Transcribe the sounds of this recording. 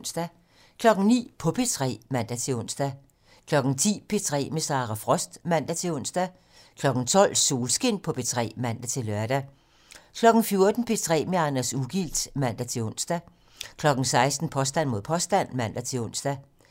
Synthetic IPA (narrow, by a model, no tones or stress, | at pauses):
nsd̥æ | kʰlɒ̽ɡ̥n̩nḭːpʰɒ̽pʰe̝t͡sʰʁɛ̰ːmæn̰d̥æt͡sʰe̝ɔ̽n̰sd̥æ | kʰlɒ̽ɡ̥n̩t͡sʰḭːpʰe̝t͡sʰʁɛ̰ːmesɑ̈ːʁɑfʁɒ̽sd̥mæn̰d̥æt͡sʰe̝ɔ̽n̰sd̥æ | kʰlɒ̽ɡ̥n̩t͡sʰɒ̽l̰so̝ːlsɡ̥e̝n̰pʰɒ̽pʰe̝t͡sʰʁɛ̰ːmæn̰d̥æt͡sʰe̝lɶɐd̥æ | kʰlɒ̽ɡ̥n̩fjo̝ɐd̥n̩pʰe̝t͡sʰʁɛ̰ːmeɑ̈næsuɡ̥il̰d̥mæn̰d̥æt͡sʰe̝ɔ̽n̰sd̥æ | kʰlɒ̽ɡ̥n̩sɑ̈ɪsd̥n̩pʰɒ̽sd̥æn̰mo̝ð̰ˠpʰɒ̽sd̥æn̰mæn̰d̥æt͡sʰe̝ɔ̽n̰sd̥æ